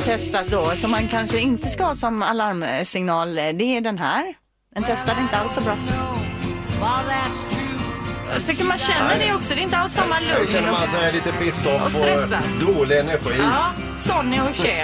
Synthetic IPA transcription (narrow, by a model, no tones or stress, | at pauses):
t̪ʰɛst̪at̪̚d̪ɔsɔmːankʰanʂəɪnt̪əskahɑːsɔmalaɾmsɪŋnɑːld̪ɛːɖɛnɦæːɾ | d̪ɛnt̪ʰɛst̪ad̪ɪnt̪əalssɔbɾɑː | aðætstʰʉ | jɑt̪ʰʏkːəɾmanɕɛnːəɖɛɔksɔd̪ɛɪnt̪əalsːamːalɵɛmansɔmɛliːt̪əfɪst̪ːɔfɔɛsad̪oːlɪɛnæɾɧiːɑː | sɔnːɪɔɕeː